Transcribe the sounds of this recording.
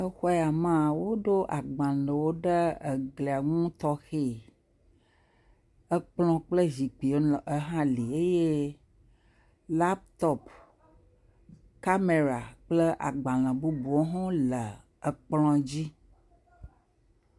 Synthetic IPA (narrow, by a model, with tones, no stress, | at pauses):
ə˦xɔ˦ɛ˦a˨mã˦˨wo˦ɖo˦ʔa˨ɡ͡bã˨lə̃˨wo˦ɖə˦ə˨ɡle˨a˨ŋũ˦t̪ɔ˦xe˦˨ | ə˦k͡plɔ̃˦k͡plə˦zi˨k͡pi˨o˦˨ə˦ɦã˦li˨e˦je˦ | la˦p̚t̪ɔ˦p | ka˦me˨ɾa˨k͡plə˦ʔa˨ɡ͡bã˨lə̃˨bu˦bu˨o˦ɦɔ̃˦lə˨ | ə˨k͡plɔ̃˦d͡ʑi˦